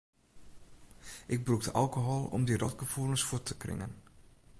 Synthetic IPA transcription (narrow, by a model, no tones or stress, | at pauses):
ʔɪɡ̚bruktəʔalˠkoɦolˠɔ̰mdirɔtɡəvulˠənsfutʰəkrɪ̰ŋə̰n